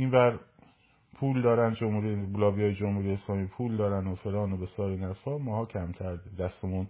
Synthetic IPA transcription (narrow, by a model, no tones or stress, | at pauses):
iːnvæɾ | pʰuːld̪ɒːɾænd̪d͡ʒomhuːɾiblɒːvijɒːjed͡ʒomhuːɾijeeslɒːmiːpʰuːld̪ɒːɾænd̪ofe̞lɒːnobesɒːɾenæɾfɒːmɒːhɒːcʰæmt̪ʰæɾd̪d̪æst̪emun